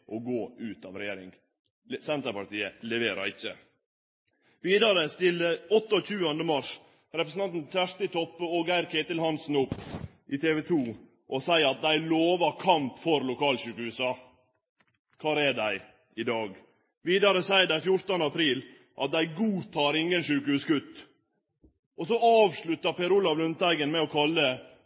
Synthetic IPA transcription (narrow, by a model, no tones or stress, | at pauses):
ʔɔɡoːʉːt̪ɑʋɾɛjeːɾɪ̰ŋ | sɛnt̪əpɑʈ̪iːəlɛʋeːɾɑ̰ɾɪçːə̰ | ʋiːd̪ɑɾəst̪ɪlɔt̪ːɔc͡çʉːənd̪əmɑʂ | ɾɛpɾəsn̩ɑnt̪n̩t̪æʂt̪ət̪ʰɔpːəɔɡæɪɾkʰeːt̪əlhɑnsn̩ʊpː | ʔɪt̪ʰeːʋɛt̪ʰuː | ʔɔsæɪəɾɑt̪̚d̪æɪloːʋɑɾkʰɑmpfɔɾlʊkʰɑːlʃʉːkəhʉːsɑ | kʰɑːɾɛɖæɪ | ɪd̪ɑːɡ | ʋiːd̪ɑɾəsæɪəɖæɪfjʊɾt̪ənəɑpʰɾiːl | ʔɑ̰t̪̚d̪æɪɡuːt̪ʰɑːɾɪŋɡənʃʉːkəhʉːsɡʉt̪ː | ʔɔsɔɑːʋʂɭʉt̪ːɑpɛɾʊlːɑʋlʉnt̪æɪɡənmɛɔkʰɑlːə